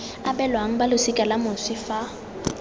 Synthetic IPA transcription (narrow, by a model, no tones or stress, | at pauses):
abɛlwaŋ̩balʊsɪkʼalamʊsɪfa